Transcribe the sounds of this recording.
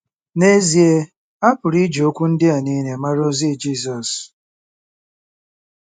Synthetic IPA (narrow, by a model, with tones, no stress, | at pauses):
ne˦zi˨e˦ | a˦pʊ˨ɾi˦d͡ʒo˦kʷu˦n̩˦dɪ˦a˨ni˦ne˨ma˦ɾo˦zi˦˨d͡ʒi˦s̬ɔ˨s